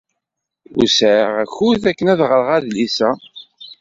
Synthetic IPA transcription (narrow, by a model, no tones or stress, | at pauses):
ṵsʕʁæçuθækːənæðʁəɾʁæðlisæ